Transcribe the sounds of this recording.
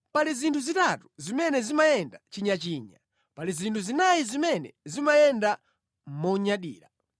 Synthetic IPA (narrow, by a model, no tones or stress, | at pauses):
palizintʰuzitatu̥zimɛnɛzimajɛndat͡ʃiɲat͡ʃiːɲa | palizintʰuzinajizimɛnɛ̰zimajɛnda | mɔɲaɗḭːɾa